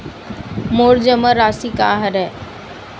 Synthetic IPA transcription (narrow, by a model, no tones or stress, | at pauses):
moːɽd͡ʒəməɾaːsikaɦəɾɛ